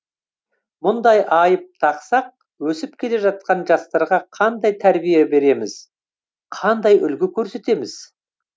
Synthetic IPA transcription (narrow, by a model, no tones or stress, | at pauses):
mʊnd̪ɑjʔɑjəp̚t̪ʰɑqsɑq̚ | wɵsɪp̚kʲʰe̞le̞ʒɑt̪̚qɑnʒɑst̪ɑɾʁɑqʰɑnd̪ɑjt̪ʰæɾbijebe̞ɾe̞mɪz̥ | qʰɑnd̪ɑjʏlɡʲɪkʲʰɵɾse̞t̪e̞mɪz̥